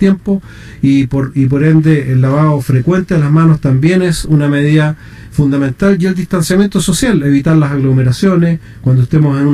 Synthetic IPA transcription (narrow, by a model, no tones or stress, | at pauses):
t̪jempo | ipoɾip̬o̞ɾend̪eʔelːaβaofɾekwe̞nt̪elasmanost̪ambje̞nesuname̞ð̞iða | fund̪amẽ̞nt̪aljeld̪iht̪ansjamje̞nt̪oso̞sjaleβit̪aɾlasaɣlomeɾasjo̞nes | kwand̪oeht̪emosenu